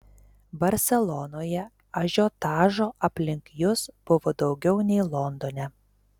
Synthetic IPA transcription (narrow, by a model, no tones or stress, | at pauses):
bɐɾʲsʲɛlˠɔnoːjɛ | ɐʒʲoːt̪ɑːʒoːʔɐpʲlʲɪŋʲkjʊsb̥ʊʋoːd̪ɒʊɡʲɛʊnʲɛɪlˠɔnd̪oːnʲɛ